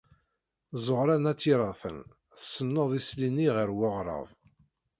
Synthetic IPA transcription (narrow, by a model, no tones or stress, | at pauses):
zˤoʁɾænæt͡sːiɾˤɑθən | θə̥sːənːəðˤisliniʁəɾwʊʁɾˤɑ̰v